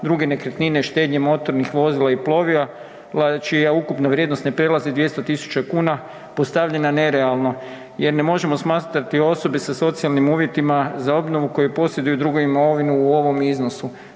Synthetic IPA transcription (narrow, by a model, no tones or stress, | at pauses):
d̪ɾuɡe̞ne̞kɾet̪nineʃt̪e̞ːd̪ɲemo̞t̪o̞ɾnixʋo̞zilˠaiplo̞ʋia | lat͡ʃijaukupnaʋɾje̞d̪nost̪ne̞pɾe̞lazid̪ʋje̞st̪ot̪isu̥t͡ʃakuːna | po̞st̪aʋʎe̞nane̞ɾe̞alˠno̞ | je̞ɾne̞mo̞ʒe̞mo̞smaːt̪ɾat̪io̞so̞besaso̞t̪sialˠnimuːʋje̞t̪imazao̞bno̞ʋuko̞jepo̞sje̞d̪ujud̪ɾuɡoʋimaoʋinuːoʋo̞mizno̞su